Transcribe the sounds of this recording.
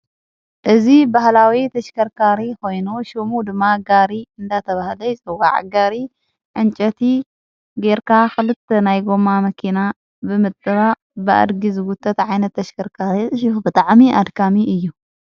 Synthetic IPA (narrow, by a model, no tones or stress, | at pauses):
ʔɨzibahlawit̪ʰɐʃkʰɐɾkʰaɾiko̞jnuʃimud̪ɨmːaɡaɾiɨnd̪at̪ʰɐβahlɐjt͡sʼɨwa̰ʕ̰ɡaɾi | ʕɨnt͡ʃʼɐt̪ʰi | ɡeɾkaxɨlɨt̪ʰːɐnajɡo̞mamɐkʰina | bɨmɨt̪ʼːɨβa | bɨa̰d̪ɡizɨɡut̪ʰʼːɐt̪ʕajnɐt̪ʰːɐʃkʰɐɾkʰaɾisʼɨʃɪfbɨt̪ʼaʕmiʔad̪kʰamiʔɨjːu